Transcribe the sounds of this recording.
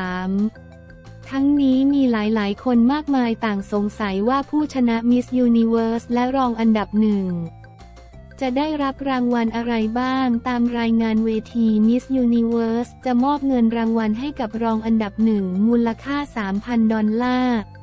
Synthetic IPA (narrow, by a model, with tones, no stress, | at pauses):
m | t̪ʰa˦˥ŋniː˦˥miː˧laː˩˦jlaː˩˦jkʰo˧nmaː˥˩k̚maː˧jt̪aː˨˩ŋso˩˦ŋsa˩˦jwaː˥˩pʰuː˥˩t͡ɕʰa˧na˦˥mi˦˥sjuː˧ni˧weː˦˥slɛ˦˥ɾɔː˧ŋʔa˧nda˨˩p̚nɯ˨˩ŋ | t͡ɕa˨˩daː˥˩jɾa˦˥p̚ɾaː˧ŋwa˧nʔa˧ɾa˧jbaː˥˩ŋt̪aː˧mɾaː˧jŋaː˧nweː˧t̪ʰiː˧mi˦˥sjuː˧ni˧wɤː˦˥st͡ɕa˨˩mɔː˥˩p̚ŋɤ˧nɾaː˧ŋwa˧nɦa˥˩jka˨˩p̚ɾɔː˧ŋʔa˧nda˨˩p̚nɯ˨˩ŋmuː˧lːa˧kʰaː˥˩saː˩˦mpʰa˧ndɔ˧nlaː˥˩